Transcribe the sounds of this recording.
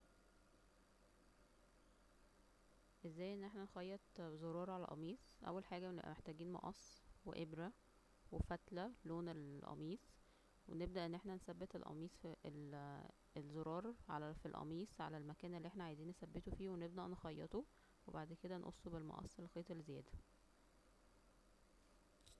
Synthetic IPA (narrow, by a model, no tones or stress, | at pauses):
ʔezːæːjʔenːʔeħnænxɑjːɑt̪zoɾˤɑːɾˤʕalæ̰lʔɑ̰miːsˤʔæ̰wːælħaːɡæ̰ʔmeħt̪æːɡiːnmɑ̰ʔɑ̰sˤːwḛʔebɾæ | wefæt̪læloːnelʔɑ̰miːs | wḛneb̚d̪æʔenːʔeħnænsæbːet̪elʔɑ̰miːsˤfl | elzoɾˤɑːɾˤʕalæfilʔɑ̰miːsˤʕa̰lælmækæːnelːiːeħnæʕajziːnːsæbːet̪ofiːweneb̚d̪æʔnexɑjːet̪o | webaʕd̪ked̪ænʔo̰sˤːobelmɑ̰ʔɑ̰sˤːelːxeːt̪ˤelːezejæ̰ːd̪æ̥